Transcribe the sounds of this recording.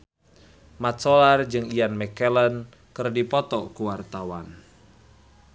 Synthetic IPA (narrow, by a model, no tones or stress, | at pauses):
mat̪sɔlard͡ʒɨŋijanmɛkɛlən | kɨrdipɔt̪ɔkuwart̪awan